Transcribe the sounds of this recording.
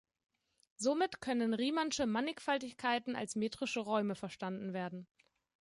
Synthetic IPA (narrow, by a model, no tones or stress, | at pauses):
zomɪtkʰœnənʁiːmanʃəmanɪkfaltɪçkʰaɪtn̩a̰lsmeːtʁ̥ɪʃəʁɔʏməfɛɐʃtandn̩veːɐdn̩